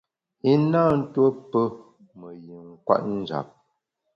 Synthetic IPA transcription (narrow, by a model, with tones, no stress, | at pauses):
i˦na˦˨n̩˦two˦pə˦ | mə˨ji˨ŋ̩˦kwa̰˦ʔn̩˦d͡ʒa̰˨p̚